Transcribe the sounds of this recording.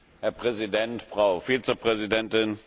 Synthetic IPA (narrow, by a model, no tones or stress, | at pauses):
hɛɐpʁ̥ɛzidɛntfʁ̥aʊfiːt͡səpʁ̥ɛzidɛntɪn